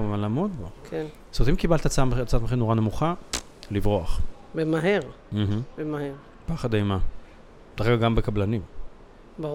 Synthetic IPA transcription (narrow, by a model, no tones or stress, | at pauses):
malaːmod̪bokʰen | sot̪imkibalt̪at͡samt͡sat̪meχinoʁanemuχa | livʁoaχbemaɦeʁ | m̩ɦm̩bemaheʁ | paχad̪ajma | t̪aʁeɡaɡambekablanim | ba